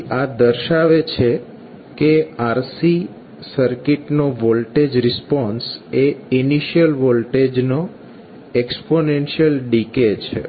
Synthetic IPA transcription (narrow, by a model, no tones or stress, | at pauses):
ad̪əɾʃaʋet͡ʃʰe | keaɾsi | səɾkiʈnoʋɔlʈed͡ʒɾɪspɔnseiniʃijəlʋɔlʈed͡ʒno | eksponenʃijəlɖiket͡ʃʰḛ